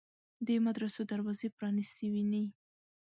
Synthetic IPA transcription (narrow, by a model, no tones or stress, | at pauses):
d̪emad̪ɾasod̪aɾwɑzepɾɑnisəwini